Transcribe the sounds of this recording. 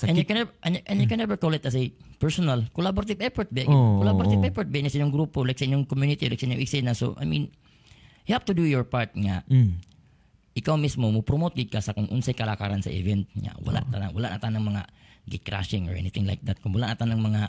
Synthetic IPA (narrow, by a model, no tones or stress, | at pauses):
ɛnjuknɛʔɐnʔɛ̃njukɛnːɛvɛɹkolɪt̪ɐs̬epɛɹsonalkolaboɾat̪ivɛfɔɹt̪̚bɪkolaboɾat̪ɪtvɛfɔɹt̪̚bɛnɪsʔiɲːjoŋɡɾupolajksɐiɲjoŋkomjunɪt̪ila̰jksɐʔiɲːoŋʔɪksɛnaso̰ʔa̰jmĩn | jhavt̪ud̪ujoɹpaɹt̪̚ŋa | ʔɪkawmismomɐpɾomot̪̚ɡɪd̪̚kasɐkʊŋʔʊnsajkɐlaka̰ɾansɐ̰ʔɪ̰vɛnt̪̚ŋa̰wɐ̰la̰ʔt̪anawɐlaʔnat̪anɐŋmɐŋaɡɛt̪̚kɾa̰ʃɪ̃ŋoɹʔɛ̰nɪθɪŋla̰jk̚d̪at̪̚kʊŋwɐlaʔnat̪anɐŋmɐŋa